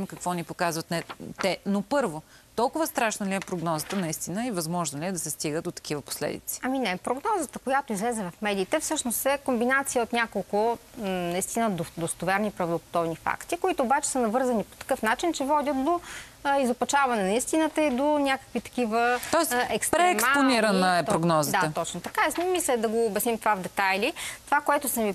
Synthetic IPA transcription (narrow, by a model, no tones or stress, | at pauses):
mkɐkvɔnipokazvɐt̪nɛt̪ɛnopɤɾvot̪ɔlˠkʊvəst̪ɾaʃnɐliɛpɾoɡnɔzət̪ənɐist̪inəivɐzmɔʒnoliɛd̪ɐsɛst̪iɡət̪d̪ot̪ɐ̥kivəpo̥slɛ̰d̪ḭt̪si̥ɐminɛpɾoɡnɔzət̪əkojat̪oizlɛzɛvɐfmɛd̪iːt̪ɛfsɤʃnost̪ɛkombinat̪sijəot̪nʲakolˠkʊnɐist̪inəd̪od̪ost̪ovɛɾnipɾɐvd̪opo̥t̪ɔvnifa̰kt̪ikoit̪ʊːbat͡ʃɛ̥sənɐvɤɾzɐnipo̥t̪ɐ̥kɤfnat͡ʃint͡ʃɛvɔd̪ʲət̪̚d̪o | izopɐt͡ʃavɐnɛnɐist̪inət̪əid̪onʲakə̥kvit̪ɐ̥k̟ivət̪ɔɛsʔɛkstpɾɛɛmkaponiɾənəɛpɾoɡnɔzədd̪aət̪ɔt͡ʃnot̪ɐkaɛsnɛmislʲɛd̪ɐɡoːbʲɛsnimt̪ovavd̪ɛt̪ajlit̪ovakoɛt̪ʊsɛmi